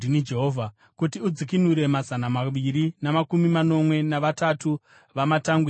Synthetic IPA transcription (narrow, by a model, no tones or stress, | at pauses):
inid͡ʒeɦoːvʱa | kutiud͡zikinuɾe̞mazanamaʋiɾinamakumimano̞mwe̞naʋatatu | ʋamataŋɡwi